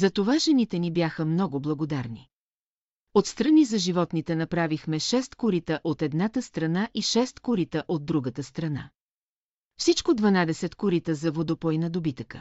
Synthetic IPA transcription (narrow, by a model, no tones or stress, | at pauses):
zɐt̪ovaʒɛnit̪ɛnibjaxəmnɔɡʊblˠɐɡod̪aɾni | ot̪st̪ɾɐnizɐʒivɔt̪nit̪ɛnɐpɾavixmɛʃɛst̪kʊɾit̪əʔot̪ɛd̪nat̪əst̪ɾɐnaʔiʃɛst̪kʊɾit̪əʔod̪̚ːɾuɡət̪əst̪ɾɐna̰ | fsit͡ʃkod̪vɐnad̪ɛsɛt̪kʊɾit̪əzɐvod̪opɔjnɐd̪obit̪əkə̥̰